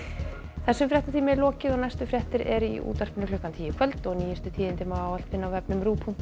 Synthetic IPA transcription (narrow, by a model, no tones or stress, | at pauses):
θɛsːɛmfɾjɛht̪aθiːmɪɛɾlɔːcɪðɔɣnajst̪ʏfɾjɛht̪ɪɾɛɾḭʔṵːt̪ar̥pɪnʏklʏhkant̪ʰiːjɪkʰvœlt̪ɔɣniːjɪst̪ʏt̪ʰiːðɪnt̪ɪmaawal̥t̪vɪnːawvɛpnʏmɾuːpʰun